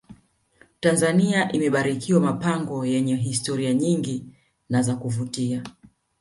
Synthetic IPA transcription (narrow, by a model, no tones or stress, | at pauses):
tanzaniaʔimɛɓaɾikiwamapaŋɡɔjɛɲɛɦistɔɾiaɲiŋɡi | nazakuvutia